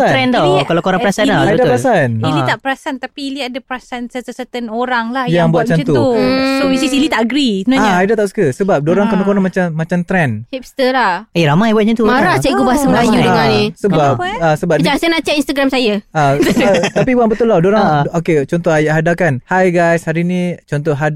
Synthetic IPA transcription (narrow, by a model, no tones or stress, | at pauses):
aɛnt̪aikalakoɾaŋpəɾasanaabtdapɾasaniit̪aʔpəɾasant̪apiːliadapəɾasansəəsət̪ənoɾaŋlahjjaŋbuat̪̚t͡ʃant̪uusoisisilit̪aʔaɡɾiənaaɲaajdat̪aʔsə̥kəsəbap̚doɾaŋkənakonamat͡ʃamːat͡ʃamt̪ɾɛnhip̚st̪əlaheɾamajbuat̪̚ɲət̪umaɾaht͡ʃaɡubasəmbajukalisəbapasəbaəaŋsajənaʔt͡ʃɛʔinst̪aɡɾamsajaat̪apibuaŋbət̪uladoɾaŋoket͡ʃɔnt̪ɔajaʔɦadakanhajɡajshaɾinit͡ʃɔnt̪ɔɦad